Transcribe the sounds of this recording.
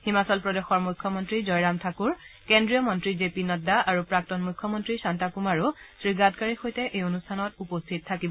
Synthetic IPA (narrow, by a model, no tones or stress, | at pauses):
ximasɔlpɹɔdexɔɹmujkʰːɔmɔntɹizɔjɹamtʰakuɹkendɹijɔmɔntɹizepinɔdaaɹupɹak̚tɔnmujkʰːɔmɔntɹisantapumaɹusɹiɡatkaɹixojtɛʔejonustʰanɔtupostʰit̚tʰakibɔ